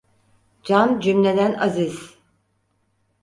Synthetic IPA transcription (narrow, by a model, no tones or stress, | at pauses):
d͡ʒand͡ʒymlʲe̞d̪ænaziz̥